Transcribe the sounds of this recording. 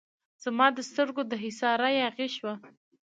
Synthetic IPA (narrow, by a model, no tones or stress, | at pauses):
z̥amɑd̪əst̪əɾɡod̪əɦɪsɑɾajɑɣeʃwa